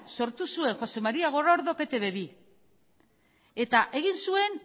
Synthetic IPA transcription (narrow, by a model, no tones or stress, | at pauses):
so̞ɾt̪usue̞ŋxo̞se̞maɾiaɣ̞o̞ɾaoɾðo̞ke̞t̪e̞βe̞βi | e̞t̪aʔe̞ɣinsue̞n